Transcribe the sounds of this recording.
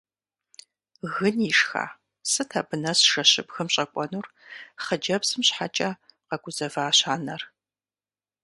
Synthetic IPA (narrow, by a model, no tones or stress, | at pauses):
ɣɨniʂxa̰ː | sɨtʰaːbɨnɐsʂɐɕɨ̰bxɨmɕʼɐkʷʼɔnuːrχəd͡ʒɐbsɨmɕħat͡ʃʼɐqɐɡʷʊzɐvaːɕaːnɐr